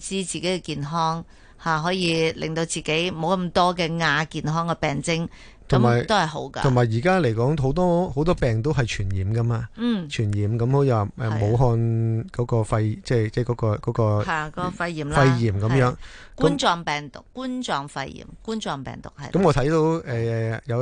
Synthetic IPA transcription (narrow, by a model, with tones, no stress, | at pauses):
t͡siː˧˥t͡siː˨ke˨˥kɛ˧kiː˨˧nɦɔː˥ŋ | haː˨˩ɦɔː˨˥jiː˧lɪ̰˨˩ŋt̪o˧wt͡siː˨˩ke˨˥jmo˨˧wkɐ˧˥mt̪ɔː˥kɛː˧ŋaː˧kiː˨nɦɔː˥ŋkɛ˧pɛː˨ŋt͡sɪ˥ŋ | t̪ʰʊ˨˩˦maː˨˩jt̪o˥whɐ˨˩jɦo̰˨˥wkɐ̰ː˧ʊ˨˩maː˨˩jjiː˨˩kaː˥le˨˩jkɔː˨˥ŋɦo˨˥wt̪ɔː˥ho˨˥wt̪ɔː˥pɛː˨ŋt̪̬o˥wɦɐ˨jt͡ʃʰyː˨˩njiː˨˩mkɐ˥maː˧n̩˨˩t͡ʃʰyː˨˩njiː˨˩mkɐ˨˥mho˨˧˥ji˧˨˧wa˨˩ʔɛː˨mo˨˧wɦɔː˧nkɔː˨˥kɔː˧fɐ˧jt͡sɛː˥˩t͡sɛː˥˩kɔː˨˧˥kɔː˧kɔː˨˥kɔː˧haː˨kɔ˨˦kɔ˧fɐ˧jːiː˨˩mlfɐ˧jjiː˨˩mkɐ˨˦mjœː˨˥ŋ | kuː˥nt͡sɔː˨˧ŋpɛː˨ŋt̪ʊ̰˨˩kːuː˥nt͡sɔː˨ŋfɐ̰˧jjḭː˨˩mkuː˥nt͡sɔː˧ŋpɛ̰ː˨˩ŋt̪ʊ̰˨˩k̚hɐ̰˨kɐ˨˥mŋɔː˨˧t̪ʰɐ˨˥jt̪o˧wɛː˨ɛː˨jɐ˨˧